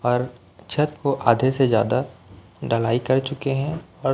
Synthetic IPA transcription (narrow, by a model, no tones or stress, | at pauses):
ɔːɾ | t͡ʃʰət̪koʔaːd̪ʱesezja̰ːd̪a | ɖəlaːikɐɾt͡ʃʊkeɦɛ̃ɔːɾ